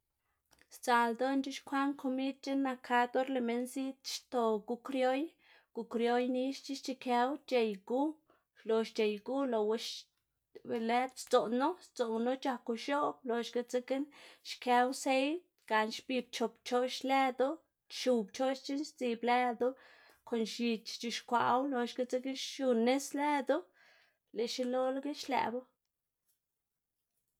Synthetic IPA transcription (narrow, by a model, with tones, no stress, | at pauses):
st͡sa˨ld̪o˦nt͡ʃi˦ʃkʰʷa˦ŋkʰo˧mi˦d̪̚t͡ʃi˦nːa˧kʰa˧d̪o˦ɾle˧me˧nsi˦t̪ʃt̪o˧ɡu˧kɾjo˦j | ɡ̥u˨kɾjo˦jni˦ʃt͡ʃi˦ʃt͡ʃi˧ke˧˦wt͡ʃe˧jɡu˦ | lo˨ʃt͡ʃe˨jɡu˦lo˨we˧ʃ | be˧le˦t̪st͡so˨no˦st͡so˨no˦t͡ʃa˧ku˧ʃo˦b̚lo˨ʃɡa˧t͡se˧ke˦nʃke˧wse˦j̪̚ | ɡ̥a˨nʃbi˧b̚t͡ʃo˨pt͡ʃo˦ʃle˦d̪o˦ | ʃu˧bt͡ʃo˦ʃt͡ʃi˦nʃt͡si˧ble˦d̪o˦ | ko˨nʃi˧t͡ʃt͡ʃi˧˨ʃkʷa̰˨ʔwlo˧ʃɡa˦t͡se˦ɡi˦ʃʃu˧ne˦sle˦d̪o˦ | le˨ʃi˦lo˦lɡi˦ʃlḛ˧˨bo˦